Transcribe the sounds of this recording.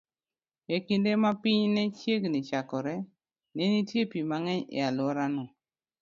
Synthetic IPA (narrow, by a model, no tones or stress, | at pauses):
ekindemapɪɲnɛt͡ʃjeɡnit͡ʃakɔɾɛ | nenitjepimaŋɛɲɪ̰alwɔɾanɔ